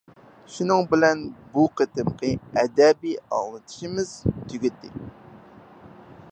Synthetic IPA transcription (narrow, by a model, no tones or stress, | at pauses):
ʃunɨŋbɪlɛnbuqʰət̪ɨmqʰəɛd̪ɛbiɑ̰llˠɨt̪ʰɨ̥ʃimɪz̥t̪ʰyɡʲyt̪ʰːɪ̰